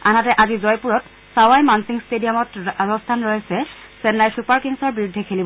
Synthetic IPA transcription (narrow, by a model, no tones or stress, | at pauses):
anatɛʔazizɔjpuɹɔt | sawajmansiŋstediamɔtɹɔstʰanɹɔjɛsɛ | sɛnlajsupaɹkiŋsɔɹbiɹudʱːɛkʰelibɔ